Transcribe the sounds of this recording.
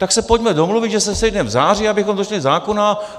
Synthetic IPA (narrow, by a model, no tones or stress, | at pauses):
t̪aksɛpoɟmɛdo̞mluvɪd̪ʒɛsɛsɛjdnɛmvzaːr̝iabɪxomdot͡ʃɛlɪzaːkona